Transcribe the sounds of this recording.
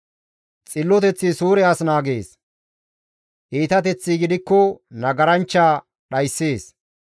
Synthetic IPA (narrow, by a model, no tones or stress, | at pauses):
t͡sʼɪlːɔt̪ɛt͡sːisuːɾɛɐsnaːɡeːs | ʔiːt̪ɐt̪ɛt͡sːiɡɪd̪ɪkːɔnɐɡɐɾɐnt͡ʃːaː | ɗɐjsːe̞ːs